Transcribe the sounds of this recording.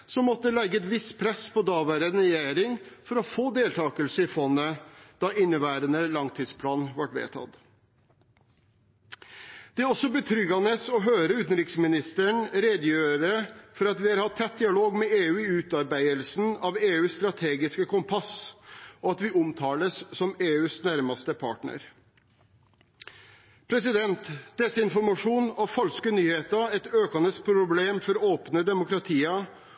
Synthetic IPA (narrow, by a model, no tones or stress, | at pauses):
sɔmːɔt̪ːəlɛɡːəɛt̪ʋɪspʰɾɛspɔd̪ɑːʋæːɾənɾɛjeːɾɪŋfɔɾɔfoːd̪eːlt̪ʰɑːkəlsəɪfɔnːəd̪̥ɑʔɪnːəʋæːɾənəlɑŋt̪ʰiːd̪spʰlɑːnʋɑʈʋḛːt̪ʰɑ̰t̪ | d̪̥ɛæɔsɔbət̪ʰɾʏɡɑnəsɔɦøːɾəʉːt̪ənɾɪksmɪnɪst̪əɳɾeːd̪jøːɾəfɔɾɑt̪ʋɪɑɾhɑt̪ʰːɛt̪̚d̪ɪɑloːɡmɛeːʉːɪʉːt̪ɑɾbæɪəlsn̩ɑʋeːʉːsst̪ɾɑt̪ʰeːɡɪskəkʰʊmpʰɑs | ɔɑt̪ʋɪʔʊmt̪ʰɑːləssɔmeːʉːsnæɾmɑst̪əpʰɑ̰ːʈɳə̰ɾ | pʰɾɛsɪd̪ɛnt̪d̪̥ɛsːəɪnfɔɾmɑʂuːnɑʋfɑlskənyːheːt̪əɛt̪øːkɑnəspʰɾʊbleːmfɔɾoːpnəd̪ɛmʊkɾɑt̪ʰiːə